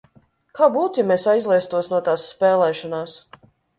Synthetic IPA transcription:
kaːbuːt̪amesajzlˠiɛst̪uɔsnuɔt̪aːsːpɛːlˠɛːʃɔnaːs

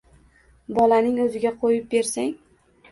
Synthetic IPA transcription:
bɒlanɪŋɵzɪɡʲaqʰojɪp̚be̞ɾsaŋ

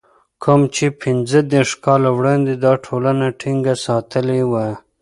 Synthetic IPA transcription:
kʰʊmt͡ʃepʰɪnzəd̪eɾʂkɑlawɽɑnd̪ed̪ɑʈʰolanaʈʰiŋɡasɑt̪əlewa

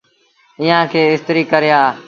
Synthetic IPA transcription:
ɪːãːkʰeːɪst̪ɾiːkəɾɪjaː

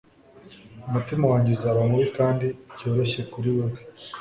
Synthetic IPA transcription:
umutimawaːɲɟezaɾomuwikaːndiɟo̞ːɾe̞ʃe̞kuɾiwaɡe

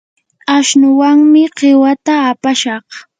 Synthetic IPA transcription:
aʃnʊwaŋmɪqʰewat̪aːpaʃɑχ

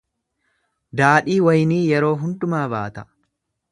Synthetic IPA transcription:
d̪aːᶑiːwɐjniːjɛɾo̞ːɦʊnd̪ʊmaːbaːt̪ɐ̥

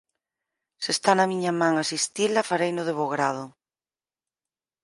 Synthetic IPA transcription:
sest̪anamiɲamãŋasist̪ilafaɾejnʊðeβoɣɾað̞ʊ

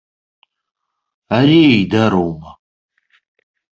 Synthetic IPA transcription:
aɾiejdaɾowma

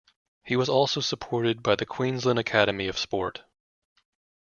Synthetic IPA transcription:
hiwʌzɔlˠsoʊsəpʰɔɹɾɨd̚baɪðɨkʰw̥ĩnzlə̃nɨkʰæɾɨmiʌv̥spɔɹt

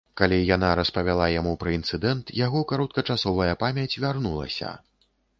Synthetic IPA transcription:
kalʲijanaɾɐspɐvʲalˠajamupɾɐint̪sɨd̪ɛnt̪jaɣɔkaɾɔt̪̚kɐt͡ʂasɔvɐjɐpamʲjɐt͡sʲvʲarnulˠɐ̰sʲɐ̰

